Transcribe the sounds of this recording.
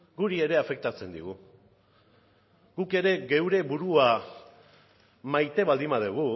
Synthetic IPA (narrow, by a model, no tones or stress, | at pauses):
ɡuɾie̞ɾe̞afe̞k̚t̪at͡se̞nd̪iɣ̞u | ɡuke̞ɾe̞ɣe̞wɾe̞βuɾua | majt̪e̞βald̪imaðeɣ̞u